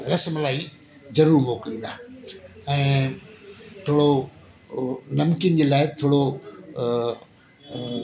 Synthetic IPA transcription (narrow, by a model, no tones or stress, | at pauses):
ɾɐsmlaːi | zɐɾuːɾmoːkɪlĩːn̆d̪aːɛ̃ː | t̪ʰoːɽo | nɐmkjənɪ̆d͡ʑeːlaːɪt̪ʰoːɽo